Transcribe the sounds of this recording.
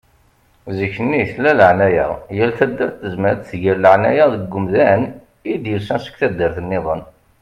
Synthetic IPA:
ziçnːiθlæləʕnæjæ̰jælθæd̪ːəɾθəzməɾθʝiɾləʕnæjaðəɡʷːʊmðæn | id̪jəlsænsə̥kθæd̪ːəɾθənːɪðˤən

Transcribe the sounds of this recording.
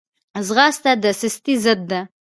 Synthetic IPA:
azɣɑst̪ad̪əsɪst̪izəd̪ːa

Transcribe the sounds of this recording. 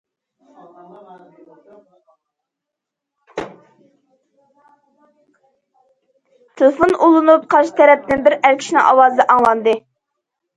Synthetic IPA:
t̪ʰelˠefonʔulˠɨnup̚qʰɑɾʃɪ̥t̪ʰɛɾɛp̚nɪnbɪɾæɾkʲʰi̥ʃnɨ̰ŋʔɑwɑːzd̪ɛʔɑŋlˠɑnd̪ɨ

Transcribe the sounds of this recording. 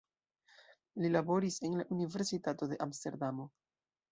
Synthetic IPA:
lilabo̞ɾise̞nlaʔunive̞ɾsitato̞de̞ʔamste̞ɾdamo̞

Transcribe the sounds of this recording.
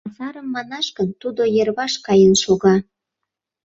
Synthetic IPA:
ɑsɑɾəmːɑnɑʃkənt̪ud̪ojerβɑʃkɑjənʃoɣɑ

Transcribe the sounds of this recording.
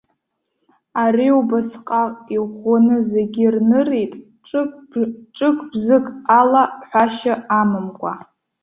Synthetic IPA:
ariubasqʼaiχʷonɨze̞ɡʲirnɨrejtʼ | ʈ͡ʂʼ | ʈ͡ʂʼɨkʷʰʼbzɨkʼalaħʷᶣaʃaʔamɨmkʷʼa

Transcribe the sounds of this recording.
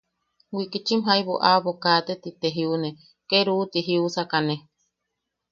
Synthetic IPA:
wikit͡ʃimɦaiβoʔaβokat̪et̪it̪eɦiune | keɾuːt̪iɦiusakane

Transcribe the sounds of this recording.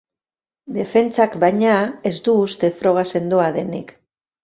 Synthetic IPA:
d̪e̞fe̞nt͡sakbajɲae̞zd̪uːst̪e̞fɾo̞ɣ̞ase̞nd̪oaðe̞nḭk

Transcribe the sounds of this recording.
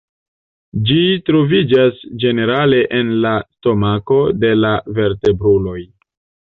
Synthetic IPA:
d͡ʒitɾo̞vid͡ʒasd͡ʒe̞ne̞ɾale̞ʔenlasto̞mako̞de̞lave̞ɾte̞bɾulo̞j

